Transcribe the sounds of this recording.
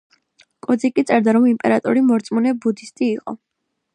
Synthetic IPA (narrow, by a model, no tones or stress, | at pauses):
kʼɔd̪zikʼit̪sʼɛɾd̪aɾɔmimpʼɛɾat̪ʼɔɾimɔɾt̪sʼmunɛbud̪ist̪ʼiːqʼɔ̰